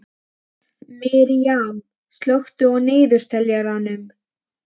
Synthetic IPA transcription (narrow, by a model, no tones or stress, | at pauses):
mɪɾijam | st̪lœxt̪ʏɔɣneːjðʏɾ̥t̪ʰɛljaɾanːʏm